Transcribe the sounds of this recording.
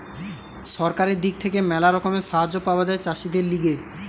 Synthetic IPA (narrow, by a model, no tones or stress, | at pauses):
ʃɔɾkaɾeɾd̪ik̚t̪ʰekemɛlaɾɔkomeʃaɦad͡ʑopaoad͡ʑaet͡ɕaʃid̪eɾliɡe